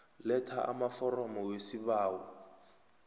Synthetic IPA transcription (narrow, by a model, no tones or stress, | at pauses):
lɛtʰaʔa̰mafɔrɔmɔwesiβaːwɔ